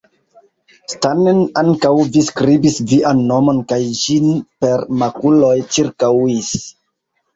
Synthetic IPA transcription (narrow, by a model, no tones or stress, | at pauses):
stanenaŋkawviskɾibisviʔanːo̞mo̞nkajd͡ʒinpe̞ɾmakulo̞jt͡ʃiɾkawis